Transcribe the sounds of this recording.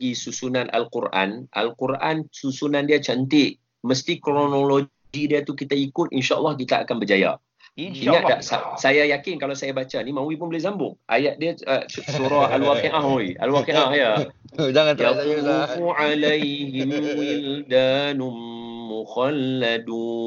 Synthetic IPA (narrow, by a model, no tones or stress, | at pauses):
ɡisusunanʔa̰lkurʔa̰nʔa̰lkurʔansusunandiat͡ʃant̪ɪʔ | məst̪ikɾonolo | ɡidiat̪ukit̪aikʊt̪̚inʃaʔlːɑhkit̪aa̰kanbəd͡ʒaja̰ | iŋãʔdaʔsasajajakɪnkalawsajabat͡ʃanimãwipʊnbəlɪhzambʊŋʔa̰jat̪̚diaəsuɾaalwakiʔaɦoia̰lwakiʔahja | d͡ʒaŋajatuufuʕalajɦɪmɪld̪anumːuxalːadu